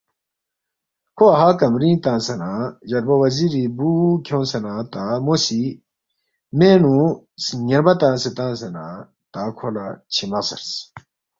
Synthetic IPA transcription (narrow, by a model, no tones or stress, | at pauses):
kʰoɐɦakɐmɾĩːt̪ãːsɐnãjɐɾbɐwɐziɾibuːkʰjõːnsɐnãːt̪aːmosi | meːnũ | sɲɐɾbɐt̪ãːset̪ãːsɐnã | t̪aːkʰolat͡ɕʰimɐsɐ̰ɾs